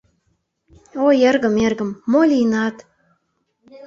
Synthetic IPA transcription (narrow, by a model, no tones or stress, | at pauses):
ojerɣə̆merɣə̆mːolʲinɑt̪